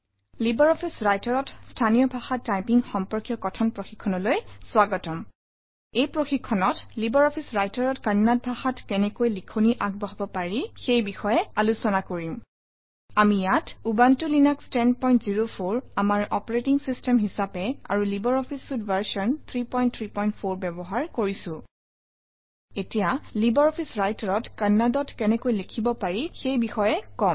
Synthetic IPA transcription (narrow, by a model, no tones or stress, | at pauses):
libɔɹɔpʰisɹajtaɹɔtstʰanijɔbʱaxatːajpiŋxɔmpɔɹkjɔkɔtʰɔnpɹoxikʰːɔnɔlojswaɡɔtɔm | ejpɹoxikʰːɔnɔtlibɔɹɔpʰisɹajtaɹɔtkannat̚bʱaxatkɛnɛkojlikʰuniʔaɡ̚bɔɦɔbɔpaɹixejbixɔjɛalusɔnakoɹĩʊ̃ | amijatubantulinakstɛnpɔj̃ntziɹopʰoɹamaɹɔpɔɹetiŋsistɛmɦisapɛa̰ɹulibɔɹɔpʰisːudvaɹsɔnt̪ʰɹipɔjnt̪ʰɹipɔjntpʰoɹbɛbɔɦaɹkoɹisʊ̃ | etijalibɔɹɔpʰisɹajtaɹɔtkanːadɔtkɛnɛkojlekʰibɔpaɹixejbixɔjɛkɔm